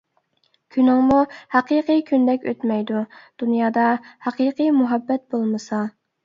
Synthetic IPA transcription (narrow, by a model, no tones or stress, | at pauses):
kʲʰynɪŋmuhɑqiqɨkʲʰynd̪ɛkʲøt̪mɛjd̪ud̪̥unjɑːd̪ɑhɑqiqɨjmuɦɑbːɛt̪̚bolˠmɨsɑ